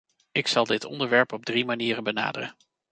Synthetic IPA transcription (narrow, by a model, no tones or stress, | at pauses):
ɪksɑlˠdɪtɔ̰ndəɹʋɛɹpɔb̚drimaniːrənbəna̰ːdərə̰n